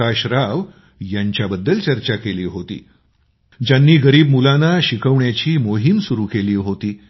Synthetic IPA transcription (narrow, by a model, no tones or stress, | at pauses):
aɕɾaʋ | jaɲt͡ɕjabəd̪ːəlt͡ɕəɾt͡ɕakeliːɦot̪ḭː | d͡ʑanːiːɡəɾiːbmulanaɕikʰəʋɳjat͡ɕiːmoɦimsuɾuːkeliːɦot̪iː